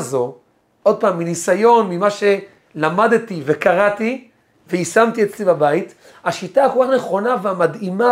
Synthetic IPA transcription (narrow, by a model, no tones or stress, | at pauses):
zo̞ | ʔo̞d̪̚paːmːinisajo̞nmimaʃe̞ | lamad̪t̪ive̞kaʁat̪i | veisamt̪iet͡slibabait̪ | haʃitahakolkaχne̞χo̞naveamadima